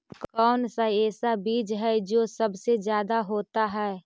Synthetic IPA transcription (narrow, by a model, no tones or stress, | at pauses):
kkɔːnsaɛːsabiːd͡ʒɦɛd͡ʒoːsɐbsed͡ʒjaːd̪aɦoːt̪aɦɛː